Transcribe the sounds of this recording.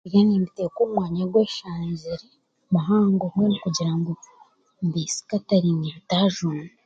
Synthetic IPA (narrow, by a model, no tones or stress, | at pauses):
janiːmbitekuːmwaːɲaɾɡweːʃaːɲɟiɾe | maɦaːŋɡomwenikuɟiɾaŋɡo | mbisi̥kataɾiniβitaːʒun